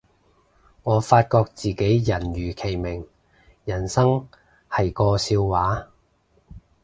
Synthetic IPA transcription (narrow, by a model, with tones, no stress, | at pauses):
ŋɔː˨˧faː˧t̚kɔː˧k̚t͡siː˨ke˨˥jjɐ˨˩nɥyː˨˩kʰe˨˩jmɪ˨˩ŋ | jɐ˨˩nsɐ˥ŋ | hɐ˨jkɔː˧siː˧wwaː˨˥